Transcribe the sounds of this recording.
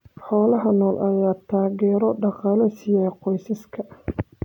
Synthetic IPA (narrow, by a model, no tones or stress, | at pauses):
ħɔːlɐɦɐnɔːlʔɐjaːt̪ʰaːɣɛːɾɔɖɑqɑːlɐsɪjɛːqɔjsɐskʰɐ